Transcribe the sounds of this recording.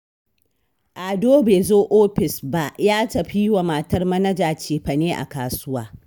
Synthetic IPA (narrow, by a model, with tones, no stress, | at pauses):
ʔa˨doː˦beː˨zoː˦ʔoː˦ɸɪ˨sba˦jaː˦tɐ˨ɸi˦wa˨ma˨tɐ˦rmɐ˦nɐ˦d͡ʒaː˨t͡ʃeː˨ɸɐ˨neː˦ʔa̰˨kaː˨sʊ˦waː˦